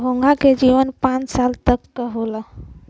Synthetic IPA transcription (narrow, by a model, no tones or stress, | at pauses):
ɦoŋɡʱaked͡ʒiʋənpãt͡ʃsalt̪əkːəɦola